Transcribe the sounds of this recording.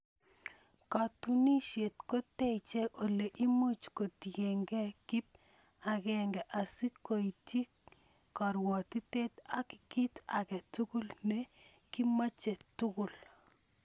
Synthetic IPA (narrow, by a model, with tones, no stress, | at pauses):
ka˨tu˦ni˦ʃje˨tko˦te˦i˨t͡ʃe˦ʔo˨le˨ʔi˦mu˦t͡ʃko˨tɡe˨ŋɡɛ˦kɪ˦p̚ | a˨kɛ˦˨ŋɡɛ˨ʔa˨si˦ko˨i˨ti˦ | kɔ˨ɾwɔ˨ti˦te˦ta˨ki̥˨ki˦ta˨kɛ˨tu˦kʊ˦lnɛ˦ | ki˦ma˦t͡ʃe˨tʊ˦kʊ˨l